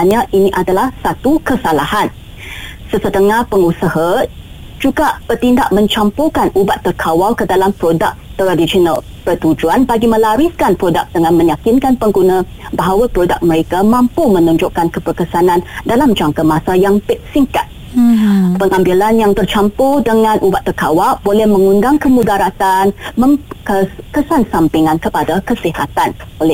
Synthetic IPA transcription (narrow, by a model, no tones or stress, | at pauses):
aɲãʔiniʔadalahsat̪ukəsalahan | səsət̪əŋahpəŋusəɦa | d͡ʒuɡaʔb̥ərt̪inda̰ʔmə̃ɲt͡ʃampukanubat̪ːərkʰawalkədalampɾoda̰k̚t̪əɾadisonal | pət̪ud͡ʒuanbaɡimə̃laɾiskanpɾodak̚d̪̥əŋãnmə̃ɲjakinkanpəŋɡunã | baɦawapɾoda̰k̚məɾekamãmpumə̃nuɲd͡ʒoʔkankəbərkəsanãndalamd͡ʒaŋkamasajaŋpɪt̪̚siŋka̰t̪̚ | pəŋambilanjaŋt̪ərt͡ʃampudəŋãnʔubat̪ːərkawabolɛhmə̃ŋundaŋkəmudaɾat̪anməŋkəkəsansampiŋankəpadakəsiha̰t̪anolɛ